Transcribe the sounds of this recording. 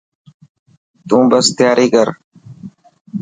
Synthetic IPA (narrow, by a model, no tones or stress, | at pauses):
t̪ũːbəst̪jaːɾiːkəɾ